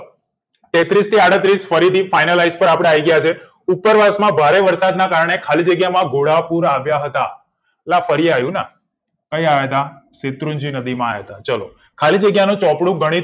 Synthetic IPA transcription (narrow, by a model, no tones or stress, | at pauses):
t̪et̪ɾist̪ʰiaɽət̪ɾisfəɾit̪ifainəlajzpəɾapɽeaiɡəjat͡ʃʰe | upəɾʋasmãbʱaɾeʋəɾsad̪nakaɾəɳ̃ekʰalid͡ʒəɡjamãɡoɽapuɾaʋjaɦət̪a̰ | lafəɾiajũna̰ | kəjaed̪asɪt̪ɾund͡ʒinəd̪imãajt̪at͡ʃəlo̰ | kʰalid͡ʒəɡjanũt͡ʃɔpɽũɡəɽ̃i